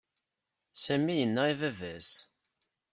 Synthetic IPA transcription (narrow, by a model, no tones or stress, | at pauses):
sæmːijənːæivævæs